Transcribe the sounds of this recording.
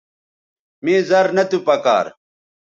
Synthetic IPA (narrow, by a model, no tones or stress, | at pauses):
meːzɐɾnɐt̪upɐka̰ːɾ